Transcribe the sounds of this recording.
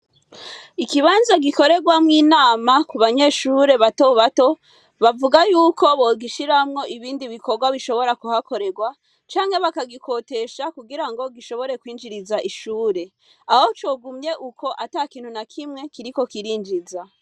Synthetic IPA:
ikiβaːnzaɡiko̞ɾe̞ɡwamŋiːnaːmakuβaɲe̞ʃuɾe̞βatoβato̞ | βavuɡajuːko̞βoɡiʃiɾamŋo̞ʔiβiːndiβiko̞ɾɡwaβiʃo̞βo̞ɾakuhako̞ɾe̞ɡwa | t͡ʃaːŋhe̞βakaɡikʰo̞te̞ʃakuɡiɾaŋɡo̞ɡiʃo̞βo̞ɾe̞kwiːnd͡ʒiɾizaʔiʃuːɾe̞ | aho̞t͡ʃo̞ːɡumɲe̞ʔukʰo̞ʔatakiːnhunakʰimŋe̞kiɾiko̞kiɾiːnd͡ʒiza

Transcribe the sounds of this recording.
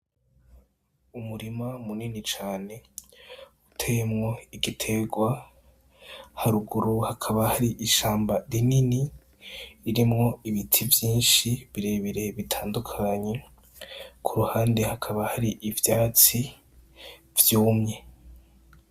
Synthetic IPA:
umuɾimamuninit͡ʃaːne̞ | utʰejemŋo̞iɡitʰe̞ɡwa | haɾuɡuɾuhakʰaβahaɾiʔiʃaːmbaɾininiː | ɾimŋo̞iβitʰivjiːnʃiβiɾe̞βiɾe̞βitʰaːndukʰaɲe̞ | kʰuɾuhaːnde̞hakʰaβahaɾiʔivjaːt͡si | vjuːmɲe̞

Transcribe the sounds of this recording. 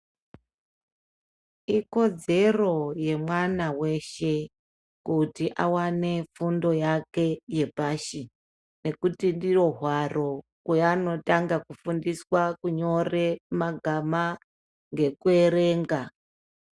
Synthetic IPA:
iko̞d͡ze̞ro̞je̞mwanawe̞ʃe̞ | kutiʔawane̞fundo̞jake̞je̞paʃi | ne̞kutindiro̞ɦwaro̞kwejano̞taŋɡakufundiswakuɲo̞re̞maɡʱama | ŋɡe̞kue̞ɾe̞ːŋɡa

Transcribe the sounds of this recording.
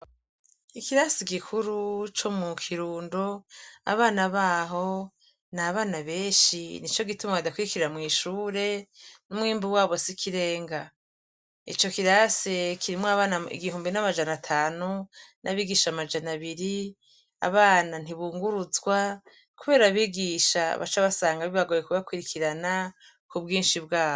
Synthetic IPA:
ikiɾasiɡikʰuɾut͡ʃo̞mukʰiɾuːndoa̰βaːnaβaːɦo̞ | naβaːnaβe̞ːʃinit͡ʃo̞ɡitumaβadakwiɾikiɾiɾamŋiːʃuːɾe̞numŋiːmbuwaːβo̞sikʰiɾe̞ːŋɡa | ḭt͡ʃo̞kiɾasekʰiɾimoaβaːnaḭɡiɦuːmbinamad͡ʒanatʰaːnunʔaβiːɡiːʃamad͡ʒanaβiɾi | a̰βaːnan̥iβuːŋɡuɾuzɡwa | kuβe̞ːɾaβiːɡiːʃa̰βa̰t͡ʃaβasaːŋɡaβiβaɡoːjekuβakwiɾikʰiɾana | kubɡiːnʃibɡaːo

